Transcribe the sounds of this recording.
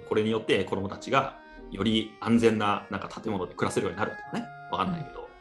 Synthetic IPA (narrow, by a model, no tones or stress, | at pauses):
ko̞ɾe̞ɲ̟ijo̞t̪ːe̞ko̞d̪omo̞t̪at͡ɕiɡa | jo̞ɾʲiãnd͡zẽ̞nːanãŋkat̪ʰḁt̪e̞mo̞no̞d̪e̞kɯ̟ɾaseɾɯjoɲ̟inaɾɯ̟t̪ːe̥oneβakannaike̞d̪o̞